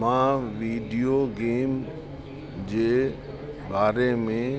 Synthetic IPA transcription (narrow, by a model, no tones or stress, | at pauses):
mãːʋiːɖijoɡeːm | d͡ʑeː | baːɾemẽ